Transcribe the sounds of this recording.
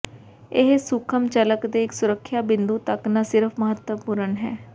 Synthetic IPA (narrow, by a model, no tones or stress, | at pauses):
ɪɦsʊkʰəmt͡ʃələkd̪eːɪksʊɾəkʰːjaːbɪ̃nd̪uːt̪əknaːsɪɾəpʰməɦət̪wəpʊɾənɦɛ̰ː